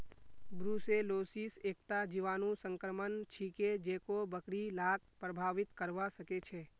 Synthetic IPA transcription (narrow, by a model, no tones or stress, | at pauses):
bɾuseloːsiseːkt̪ad͡ʒiʋaːnũsə̃ŋkɾəmənt͡ʃʰiked͡ʒeːkobəkɽilaːk̚pɾəbʱaːʋɪt̪kəɾʋasəket͡ʃʰɛː